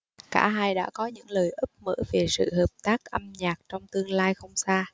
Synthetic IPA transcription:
kaː˧˩ɦaː˧jɗa̰ː˧˥kɔ˨˦ɲɨ̰˧˥ŋləː˨˩jʔɨ˦˥p̚mə̰ː˧˥ve˨˩sɨ̰˧˨ɦəː˨˩p̚t̪aː˦˥k̚ʔə˧mɲaː˨˩k̚t͡ɕɔ˧wŋ͡mt̪ɨ˧əŋlaː˧jxə˧wŋ͡msaː˧

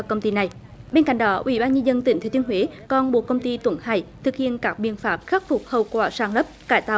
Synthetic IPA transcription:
kə˧wŋ͡mt̪i˧na˨˩jɓe˧nka̰˧˨ŋ̟ɗɔ˨˦ʔwʔḭ˧˩˦ɓaː˧nɲə˧nzə˧nt̪ï˧˩ŋ̟t̪ʰːt̪i˧ənɦwe˨˦kɔ˧nɓo̰˨əkːə˧wŋ͡mt̪i˧t̪wə˧˦nha̰ː˧˩jt̪ʰɨ˨˩k̚hḭ˧˨ənkaː˦˥k̚ɓḭ˧˨ənfaː˦˥p̚xa˦˥k̚fʊ˨˩k͡p̚hə˨˩wkwaː˧˩saː˧˩nlə˦˥p̚kaː˧˩jt̪aː˧˨˩

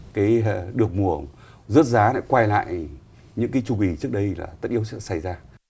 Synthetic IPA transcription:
kaː˨˦jɗɨ˨˩ək̚mu˨˩ə | zə˦˥t̚zaː˨˦na̰ː˧˥jkwaː˧jla̰ː˧˨j | ɲɨ̰˧˥ŋkaː˨˦jt͡ɕu˧˩ki˧˩t͡ɕɨ˦˥ək̚ɗə˧jlaː˨˩t̪ə˦˥t̚ʔi˧˦əwsɛ̰˧˥sa˧˩jzaː˧

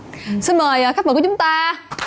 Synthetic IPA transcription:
si˧nməː˨˩jʔəː˨˩xa˦˥k̚ə˨˩kʊ˨˦ŋ͡mt̪aː˧

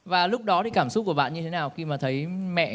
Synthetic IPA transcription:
vaː˨˩lʊ˦˥k͡p̚ɗɔ˨˦t̪ʰi˨˩kaː˧˩msʊ˦˥t̚kəɓa̰ː˧˨ɲɨ˧e˨˦naː˨˩wxi˧maː˨˩t̪ʰə˨˦jmɛ̰˧˨

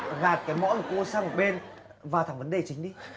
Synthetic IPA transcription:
ɣaː˨˩t̚kaː˨˦jmɔ̰˧˥nlə˨˩ko˧˦saː˧ŋmo˨˩ɓe˧n | vaː˨˩t̪ʰa˨˩ŋvə˨˦nɗe˨˩t͡ɕï˨˦ŋ̟ɗi˧

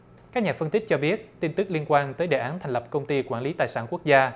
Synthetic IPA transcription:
kaː˦˥k̚ɲaː˨˩fə˧nt̪ï˦˥k̟̚t͡ɕɔ˧ɓi˦˥ət̚t̪i˧nt̪ɨ˦˥k̚li˧ənkwaː˧nt̪əː˨˦jɗḛ˨˩ʔaː˨˦nt̪ʰɛ˨˩ŋ̟lə˨˩p̚kə˧wŋ͡mt̪i˧kwaː˧˩nli˨˦t̪aː˨˩jsa̰ː˧˩nku˦˥ək̚zaː˧

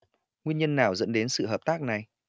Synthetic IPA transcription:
ŋwi˧ənɲə˧nːaː˨˩wzə̰˧˥nɗe˨˦nsɨ̰˧˨ɦəː˨˩p̚t̪aː˦˥k̚na˨˩j

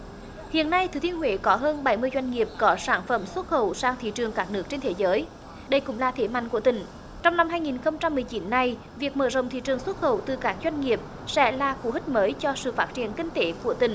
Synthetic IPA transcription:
hḭ˧˨ənːa˧jt̪ʰɨ˨˩t̪i˧ənɦwe˧˦kɔ˨˦ɦəː˧nɓa˧˩jmɨ˧əjzwa˧jŋ̟ŋi˨˩əp̚kɔ˨˦saː˧˩nfə˧˩mswə˦˥t̚xə̰˧˨wsaː˧ŋt̪ʰḭ˧˨t͡ɕɨ˨˩əŋkaː˦˥k̚nɨ˦˥ək̚t͡ɕe˧nt̪ʰe˨˦zəː˨˦j | ɗə˧jkʊ̰˧˥ŋ͡mlaː˨˩t̪ʰe˨˦ma̰˧˨ŋ̟ku˧˩ət̪ï˧˩ŋ̟ | t͡ɕɔ˧wŋ͡mna˧mɦaː˧jŋi˨˩nxə˧wŋ͡mt͡ɕa˧mːɨ˨˩əjt͡ɕi˨˦nːa˧j | vi˨˩ək̚mə̰ː˧˩zə̰˧˨wŋ͡mt̪ʰḭ˧˨t͡ɕɨ˨˩əŋswə˦˥t̚xə̰˧˩wt̪ɨ˨˩kaː˦˥k̚zwa˧jŋ̟ŋi˨˩əp̚ | sɛ̰˧˥laː˨˩xu˧˦hï˦˥k̚məː˨˦jt͡ɕɔ˧sɨ̰˧˨faː˦˥t̚t͡ɕi˧˨ənkï˧ŋt̪e˨˦ku˧˩ət̪ï˨˩ŋ̟

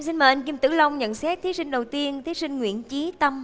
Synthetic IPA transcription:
si˧nməː˨˩ʔa˧jŋ̟ki˧mt̪ɨ̰˧˩lə˧wŋ͡mɲə̰˧˨nsɛ˦˥k̚t̪ʰi˨˦sï˧ŋ̟ɗə˨˩wt̪i˧ənt̪ʰi˨˦sï˧ŋ̟ŋwḭ˧˩˨ənt͡ɕi˨˦t̪ə˧m

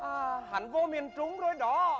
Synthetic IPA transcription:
ʔaː˨˩ha̰˨˩nvo˧mi˨˩ənt͡ɕʊ˨˦ŋ͡mzo˨˦jɗɔ˨˦

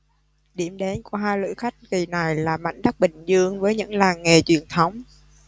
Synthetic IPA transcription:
ɗi˧˩əmɗe˨˦nku˧˩əɦaː˧jlɨ̰˧˥xa˦˥jk̟̚ki˨˩na˨˩jlaː˨˩ma̰˧˨jŋ̟ɗ̪a˦˥k̚ɓï˨˩ŋ̟zɨ˧əŋvəː˨˦jɲɨ̰˧˥ŋlaː˨˩ŋːe˨˩t͡ɕwi˧˩ənt̪ʰə˨˦wŋ͡m

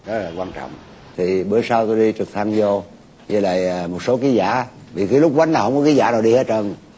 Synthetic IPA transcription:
zə˦˥t̚laː˨˩kwaː˧nt͡ɕɔ̰˧˨wŋ͡m | t̪ʰi˨˩ɓəː˧˨˦jsaː˧wt̪o˧jɗi˧t͡ɕɨ˨˩k̚t̪ʰa˧ŋzɔ˧ | ɲɨ˧la̰ː˧˨jːmo˨˩t̚so˨˦ki˨˦za̰ː˧˩vi˨˩ki˨˦lʊ˦˥k͡p̚kwa˨˦˥naː˨˩whə˧ŋ͡mkɔ˨˦ki˨˦zaː˧˩naː˨˩wɗi˧he˦˥t̚ə˧n

